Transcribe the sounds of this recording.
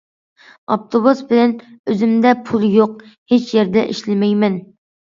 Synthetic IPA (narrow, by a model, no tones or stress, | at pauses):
ɑ̰p̚t̪ʰobusbɪlɛnøzɪmd̪ɛpʰulˠjoq̚het͡ʃjeɾd̪ɛʔiʃlɪmɛjmɛn